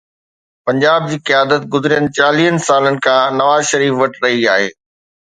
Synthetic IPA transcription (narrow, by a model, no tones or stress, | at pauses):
pɐ̃ɲd͡ʑaːb̚d͡ʑiːqijaːd̪ət̪̚ɡʊzɪɾijənɪ̆t͡ɕaːliːənɪ̆saːlənɪ̆kʰãːnɐʋaːzʃɐɾiːfʋɐʈʰɾɐɦiaːɦeː